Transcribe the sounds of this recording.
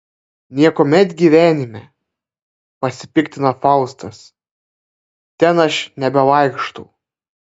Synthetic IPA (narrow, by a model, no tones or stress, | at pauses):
nʲiɛkomʲɛt̪ʲɡʲiːʋʲæːnʲɪmʲɛ | pɐsʲɪpʲɪkt̪ʲɪnɐfɑˑʊst̪ɐs | t̪ʲɛnɐʃnʲɛbʲɛlɐɪkʃt̪ɐʊ